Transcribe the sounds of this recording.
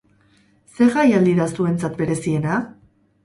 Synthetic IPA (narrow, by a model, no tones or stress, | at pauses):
se̞ɣajald̪iɾasue̞nt͡sat̪be̞ɾe̞sie̞na